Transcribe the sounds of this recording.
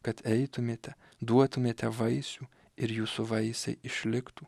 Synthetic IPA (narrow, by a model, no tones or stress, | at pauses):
kɐt̪ɛɪt̪ʊmʲeːt̪ʲɛ | d̪uɔt̪ʊmʲeːt̪ʲɛʋɐɪsʲuː | ɪɾjuːsuʋɐɪsʲɛ̰ɪɪʃʲlʲɪkt̪u